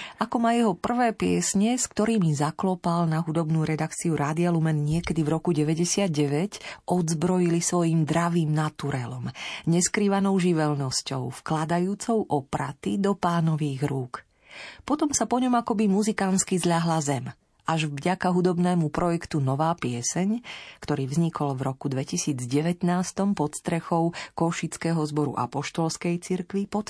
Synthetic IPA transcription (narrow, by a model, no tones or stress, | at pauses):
ʔakɔmajɛɦɔpr̩ʋɛːpɪɛsɲɛskt̪ɔɾiːmizaklɔpalnaɦud̪ɔbnuːɾɛd̪akt͡siuɾaːd̪ialumɛnɲɪɛkɛd̪ivɾɔkuɟɛʋɛɟɛsɪad̪̚ɟɛʋɛcʔɔd̪zbɾɔjilisʋɔjiːmd̪ɾaʋiːmnat̪uɾɛlɔmɲɛskɾiːʋanɔʊʒiʋɛlnɔscɔ̰ʊfklad̪ajuːt͡sɔʊʔɔpɾat̪id̪ɔpaːnɔʋiːɣɾuːk | pɔt̪ɔmsapɔɲɔmakɔbimuzikanskizʎaɦlazɛm | aʒvɟakaɦud̪ɔbnɛːmupɾɔjɛkt̪unɔʋaːpɪɛsɛɲkt̪ɔɾiːvzɲikʰɔlvɾɔkud̪ʋɛcisiːd͡zɟɛʋɛt̪naːst̪ɔmpɔt̪st̪ɾɛxɔʊkɔʃit͡skɛːɦɔzbɔɾṵʔa̰pɔʃt̪ɔlskɛjt͡siɾkʋipɔt̪